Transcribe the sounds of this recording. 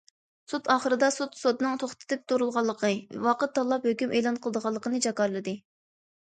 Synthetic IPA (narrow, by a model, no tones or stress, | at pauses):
sut̪ɑːχəɾɨd̪ɑsut̪sot̪nɨŋt̪ʰoχt̪ʰɨ̥t̪ɛk̚ʲt̪oɾulˠʁɑlˠːəqʰɨ̰wɑqət̪̚ːɑlˠːɑphøkʲymʔejlˠɑnqʰəlˠəd̪əʁɑlˠːəqʰənɨd͡ʒɑkɑɾlˠɨd̪ɨ